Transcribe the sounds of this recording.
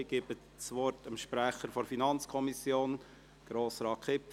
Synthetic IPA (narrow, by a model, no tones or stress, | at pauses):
ɡ̥ɪbə | sʋɔɾtəmʃpɾæχəɾfɔɾfinɑnt͡skʰɔmisjoːn | ɡ̥ɾoːsɾɑːkʰχɪp